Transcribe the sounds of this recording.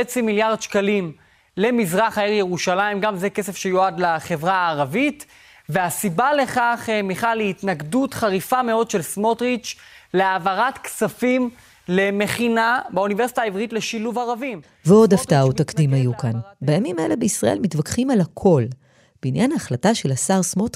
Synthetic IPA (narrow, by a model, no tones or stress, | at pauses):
et͡similjaʁd̪ʃkalim | le̞mizʁaχaeʁjeʁuʃalaimɡamzeke̞se̞fʃejoadlaχe̞vʁaːʁavit | ve̞asibale̞χaχmiχaleitnaɡdutχaʁifameo̞dʃe̞lsmo̞tʁit͡ʃ | leavaʁatksafim | le̞me̞χinabaunive̞ʁsi̥taːivʁitle̞ʃiluvaʁavim | veo̞daftautakdimajukanbajamimae̞̰lebeisʁaʔe̞lmitvakχimalhakʰo̞l | beinjanhaːχlataʃe̞lasaʁsmot